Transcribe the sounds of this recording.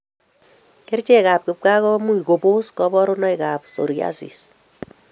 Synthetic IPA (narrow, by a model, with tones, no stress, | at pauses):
ke˦rt͡ʃe˦ka˨p̚kɪ˨p̚ka˦kɔ˦mu˦i˨ko˨bo˦skɔ˦bɔ˦ɾo˦nɔ˦jka˨p̚so̰˨ɾja̰˦sḭ˨s